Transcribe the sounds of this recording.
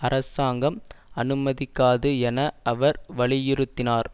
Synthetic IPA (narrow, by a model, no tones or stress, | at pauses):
ɐɾɐsaːŋɡɐmɐnɯmɐðɪkːaːðɯɛnɐʔɐʋɐɾʋɐɭɪjɪɾɯt̪ːɪnaːɾ